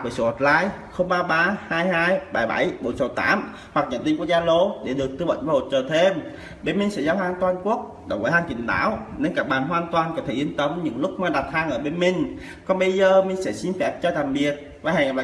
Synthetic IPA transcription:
vəː˨˩so˨˦ho˨˩t̚la̰ː˧jxə˧wŋ͡mɓaː˧ɓaː˧haː˧jhaː˧jɓa˧˩jɓa̰˧˩jɓo˨˦nsə˨˧˩wt̪a̰ː˨˦m | hwa˨˩k̚ɲə̰˨˧˩nt̪ï˧ŋku˦˥ək̚zaː˧lo˨˦ɗe˧˩ɗɨ˨˩ək̪̚ɨ˧ɓə̰˧˨n̟vaː˧˩ho˨˩t͡ɕəː˨˩t̪ʰe˧m | ɓe˧nmï˨˧ŋ̟sɛ̰˧˥zaː˧wɦaː˧ŋt̪waː˧nku˦˥ək̚ | ɗə̰˨˩wvəː˨˦haː˧ŋkḭ˨˩nɗa̰ː˧˥wne˧nkaː˦˥k̚ɓaː˨˩nɦwaː˨˧˩nt̪waː˨˩nkɔ˨˦t̪ʰe˧˩ʔi˧ənt̪ə˨˧˦wmɲɨ̰˧˥ŋlʊ˦˥k̚maː˧˩ɗa˨˩t̚haː˧ŋʔəː˧˩ɓe˧nmï˧˩ŋ̟ | kɔ˨˦nɓə˧jzəː˧˩mï˨ŋ̟sɛ̰˧˥˩si˧nfɛ˦˥p̚t͡ɕɔ˧t̪aː˨˩m̚ɓi˨˩ət̚ | vaː˨˩ha˨˩ŋː˨˩ɓa˨

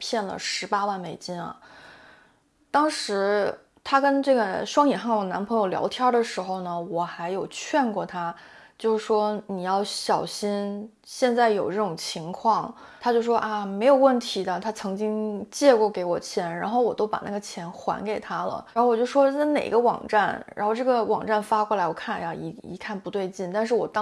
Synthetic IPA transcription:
pʰjɛ˥˩nlə̰˨˩ʂɻ̩˧˥pa˥wa˥˩nme˨˩ɪt͡ɕi˥nɐ̰˩ | t̪ɑ˥ŋʂɻ̩˧˥ | t̪ʰa˥kə˥nʈ͡ʂɤ˥˩ɡə˩ʂwɑ˥ŋi˨˩xa˥˩ŋwɔ˨˩na˧˥npʰɤ˧˥ŋjo˧˩ljɑ̰˧˥ʊt̪ʰjɑ˥˩d̪ə˨ʂɻ̩˧˥xo˧ʊnə˩wɔ˨˩xa˧˥ɪjo˨˩ʊt͡ɕʰɥɛ˥˧nkwɔ˥˩t̪ʰa˥t͡ɕjo˥˧ʊʂ̩˥˩ʂwɔ˥ni˨˩jɑ˥˩ʊɕjɑ˨˩ʊɕi˥n | ɕjɛ˥˧nt͡sa˥˩ɪjo˨˩ʊʈ͡ʂɤ˥˩ʈ͡ʂʊ˨˩ŋt͡ɕʰi˧˥ŋkʰwɑ˥˩ŋ | t̪ʰa˥t͡ɕjo˥˧ʊʂwɔ˥ʔa˥˩me˧˥ɪjo˨˩ʊwə˥˩nt̪ʰi˧˥d̪ə˧t̪ʰa˥t͡sʰɤ˧˥ŋt͡ɕi˥ŋt͡ɕjɛ˥˧kwɔ˥˩ke˧˥ɪwɔ˨˩t͡ɕʰjɛ˧˥nɻa˧˥nxo˥˩ʊwɔ˨˩t̪o˥ʊpa̰˨˩na˥˩ɡə˩t͡ɕʰjɛ˧˥nxwa̰˧˥nke˨˩ɪt̪ʰa˥lə̰˨a˥xwɔ˨˩t͡ɕjo˥˧˩ʂwɔ˥˩ɪne˨˩ḭ˧˥ɡə˧wɑ̰˨˩ŋʈ͡ʂa˥˩nɻa̰˧˥nxo˥˧ʊʈ͡ʂɤ˥˩ɡə˩wʔɑ̰˨˩ŋʈ͡ʂa˥˩nfa˥kwɔ˥˩la˧˥ɪwɔ˨˩kʰa˥˩˧a˥˧˩i˧˥ḭ˧˥kʰa˥˩npu˧˥t̪we˥˧ɪt͡ɕi˥˩nt̪a˥˧nʂ̬ɻ̩˥˩wɔ̰˨˩t̪ɑ˥

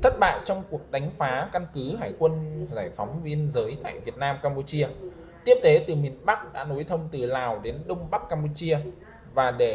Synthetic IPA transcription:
t̪ʰə˦˥t̚ɓa̰ː˧˨jt͡ɕɔ˧wŋ͡mku˨˩ək̚ɗa˨˦jŋ̟faː˨˦ka˧nkɨ˨˦ɦaː˧˩jkwə˧nzaː˧˩jfɔ˨˦wŋ͡mvi˧ənzəː˨˦jt̪a̰ː˧˨jvi˨˩ət̚naː˧mkaː˧mpu˧t͡ɕi˧ə | t̪i˦˥əp̚t̪ke˨˦t̪ɨ˨˩mi˨˩ənɓa˦˥k̚ɗa̰ː˧˥no˨˦jt̪ʰə˧wŋ͡mt̪ɨ˨˩laː˨˩wɗe˨˦nɗə˧wŋ͡mɓa˦˥k̚kaː˧mpu˧t͡ɕi˧ə | vaː˨˩ɗe˧˩

